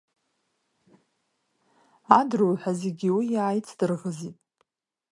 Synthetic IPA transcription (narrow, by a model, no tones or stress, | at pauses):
adruwħʷᶣazeɡʲiwijaːjt͡sʰdɨrʁəzitʼ